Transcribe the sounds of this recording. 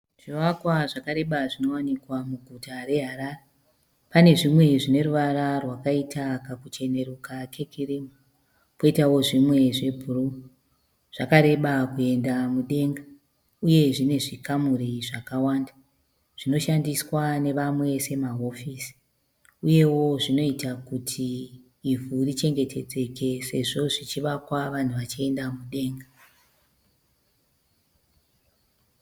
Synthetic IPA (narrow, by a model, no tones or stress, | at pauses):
ʐ̥iwakwaʐakaɾe̞ɓaʐino̞wanikwamuɡʱutare̞ɦaɾaːre | pane̞ʐimwe̞ʐine̞ɾuʋaɾarwakaitʰakakut͡ʃe̞ne̞ɾukakʰekʰirimu | po̞itawo̞ʐimwe̞ʐe̞bʱuru | ʐ̥akaɾe̞ɓakue̞ndamuɗe̞ŋɡa | uje̞ʐine̞ʐikamuɾiʐakawaːnda | ʐ̥ino̞ʃandiswane̞ʋamwe̞se̞maɦo̞fiːsi̥ | uje̞wo̞ʐino̞itakutʰiː | vurit͡ʃe̞ŋɡe̞tʰe̞d͡ze̞ke̞se̞ʐo̞ʐit͡ʃiʋakwaʋan̤uʋat͡ʃie̞ndamuɗe̞ːŋɡa